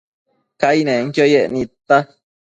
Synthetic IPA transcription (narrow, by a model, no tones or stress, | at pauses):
kainẽŋkjojeʔnĩt̪ːa